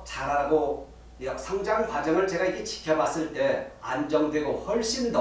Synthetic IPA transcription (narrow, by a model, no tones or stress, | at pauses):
t͡ɕaɾaɡo | jʌsʰaŋd͡ʑaŋkwad͡ʑʌŋɯɭt͡ɕe̞ɡaiɡet͡ɕi̥kʰjʌbas͈ɯɭt͈e̞and͡ʑʌŋdwe̞ɡoɸʌɭɕ͈indʌ